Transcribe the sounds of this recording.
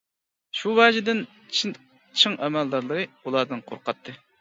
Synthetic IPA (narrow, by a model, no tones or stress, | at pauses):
ʃuwɑd͡ʒɪd̪ɪn | t͡ʃʰ | t͡ʃʰɨŋʔɛmæld̪ɑɾlˠɨɾɨulˠɑɾd̪ɨnqʰo̰ɾqʰɑt̪ʰːɨ